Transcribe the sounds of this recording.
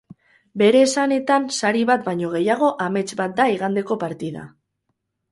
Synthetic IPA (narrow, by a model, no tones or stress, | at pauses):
be̞ɾe̞ːsane̞t̪ansaɾiβat̪bajɲo̞ɣ̞e̞jaɣ̞o̞ʔame̞t͡ʃbat̪̚d̪aiɣ̞and̪e̞ko̞paɾt̪iða̰